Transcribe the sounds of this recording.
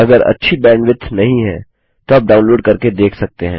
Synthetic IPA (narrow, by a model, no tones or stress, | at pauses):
ɐɡəɾɐ̰tːʃʰibɛ̃ːɳɖʋɪt̪ʰːnɐɦĩɦɛ̃ː | t̪oaːp̚ɖaːʊ̃nloːɖkɐɾked̪eːkʰsɐk̚t̪eɦɛ̃ː